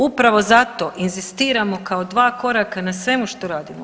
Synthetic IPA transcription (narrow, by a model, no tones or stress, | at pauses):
upɾaʋo̞zat̪o̞ʔinzist̪iːɾamo̞kaod̪ʋaːko̞ɾakanasʋe̞muʃt̪oɾaːd̪imo